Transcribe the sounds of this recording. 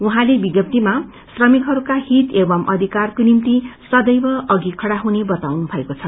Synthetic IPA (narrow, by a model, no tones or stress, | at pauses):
uɦãlebiɡjʌp̚t̪ima | srʌmikɦʌɾukaɦit̪ebʌmʔʌd̪ʱikarkonimt̪isʌd̪ʌjbʌʔʌɡikʰʌɽaɦunebʌt̪awnubʱʌekot͡sʰʌ